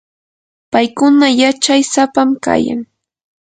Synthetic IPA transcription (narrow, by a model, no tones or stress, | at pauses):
pajkʊnajat͡ʃajsapamka̰ja̰ŋ